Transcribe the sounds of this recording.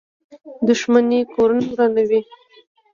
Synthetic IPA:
d̪ʊʃmanekoɾanaɾanawi

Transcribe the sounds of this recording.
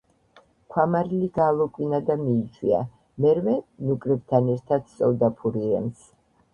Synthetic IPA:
kʷʰwamaɾiliɡaːlˠɔkʼwinad̪amiːt͡ʃʰwia̰ | mɛɾvɛnukʼɾɛb̚t̪ʰanɛɾt̪ʰat̪sʼɔvd̪apʰuɾiɛms

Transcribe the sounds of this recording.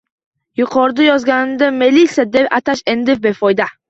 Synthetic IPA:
jʊqʰɒɾd̪ajɒzɡʲanɪd̪amelisad̪epat̪ʰaʃend̪ɪfbefɒjd̪a

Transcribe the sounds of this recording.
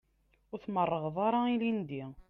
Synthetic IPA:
ʊɾθmərˤːəʁðˤɑɾˤailind̪i

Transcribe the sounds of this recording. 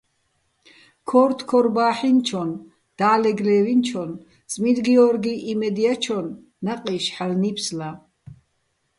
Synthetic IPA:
kʰɔɾt̪ʰkʰɔɾbaːħint͡ʃʰɔn | d̪̥aːlɛɡlɛːvint͡ʃʰɔn | t͡sʼmid̪ɡiɔɾɡiʔimɛd̪iat͡ʃʰɔnː | aqʼiʃħalnipʰsla

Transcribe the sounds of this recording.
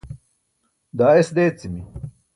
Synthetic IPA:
d̪aːesd̪eːt͡simi

